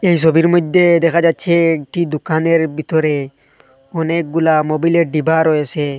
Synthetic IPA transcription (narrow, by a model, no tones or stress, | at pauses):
ejs̬ɔbiɾmɔd̪ʱːed̪ɛkʰad͡ʒatːt͡ʃʰeːkʈid̪ukaneɾbʱit̪ɔɾe | ɔnek̚ɡulamobileɾɖibaɾɔet͡ʃʰe